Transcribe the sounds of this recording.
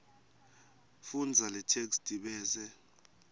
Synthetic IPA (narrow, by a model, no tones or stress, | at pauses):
fund͡zʱalɛtʰeksd̥ʼʱiɓɛːzɛ